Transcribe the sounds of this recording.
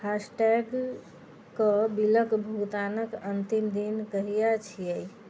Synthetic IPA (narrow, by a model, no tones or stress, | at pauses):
hasʈɛɡ | kəbiləkbʱut̪anəkənt̪imd̪inkəɦijat͡ʃʰijəj